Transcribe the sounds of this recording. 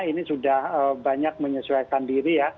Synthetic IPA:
inisudahəbaɲak̚məɲəsuajkandiɾija

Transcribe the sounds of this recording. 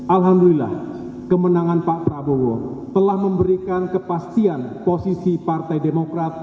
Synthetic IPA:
ʔalɦamdulila̰h | kəmənaŋanpaʔpɾabowot̪əlahməmbəɾikankəpast̪ianposisipart̪ajdemokɾat̪̚

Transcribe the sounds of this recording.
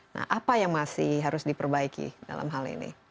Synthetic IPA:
na̰hʔapajaŋmasɪhɦaɾʊsdipərbaikḭda̰la̰mɦalḭnḭ

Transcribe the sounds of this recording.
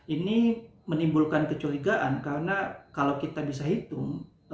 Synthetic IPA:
ini | mənimbulkankət͡ʃoɾiɡaʔankaɾənakalawkit̪abisaɦit̪ʊŋ

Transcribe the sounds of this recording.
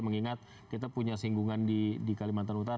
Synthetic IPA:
məŋiŋat̪̚ | kit̪apuɲasiŋɡuŋandidikalimaanut̪aɾ

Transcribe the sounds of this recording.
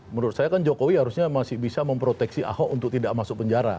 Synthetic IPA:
məɾʊt̪sajakand͡ʒokowihaɾusɲamasɪhbisaməmpɾot̪ɛksiʔa̰hɔʔunt̪ʊk̚t̪idaʔmasʊk̚pəɲd͡ʒaɾa̰

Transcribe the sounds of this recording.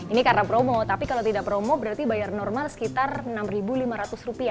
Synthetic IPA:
inikarɾapɾomɔt̪apikalawt̪idaʔpɾomɔbəɾart̪ibajarnɔrmalsə̥kit̪arnamribulimaɾat̪ʊsrupia

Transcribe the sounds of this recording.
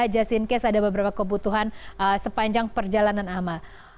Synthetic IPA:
d͡ʒasinkɛsadabəbəɾapakəbut̪uɦanəsəpaɲd͡ʒaŋpərd͡ʒalananamal

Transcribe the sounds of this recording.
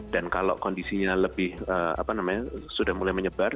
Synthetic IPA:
d̥ankalo̰ʔkɔndisiɲaləbɪhəːa̰panamaɲasudahmulajməɲəbar

